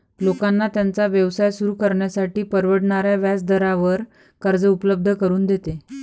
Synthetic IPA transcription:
lokanːat̪jant͡saʋjəʋsajsuɾuːkəɾɳjasaʈiːpəɾʋəɽɳaɾjaʋjat͡sd̪əɾaʋəɾ | kəɾd͡zəupələb̚d̪ʱəkəɾuːnd̪et̪e

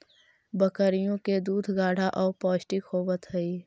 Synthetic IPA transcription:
bəkəɾijõked̪uːd̪ʱɡaːɽ̤ʱaʔɔːɾpɔːʃʈikhoːʋət̪ɦəiː

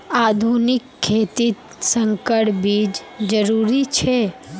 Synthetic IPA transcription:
aːd̪ʱunɪkʰːeːt̪it̪ | sə̃ŋkəɽbiːd͡ʒd͡ʒəɾuːɾit͡ʃʰe

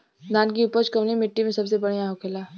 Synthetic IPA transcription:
d̪ʱaːnkiʊpət͡ʃkɐmnimɪʈːimẽsɐbsebɐɽ̤ijãɦokʰelaː

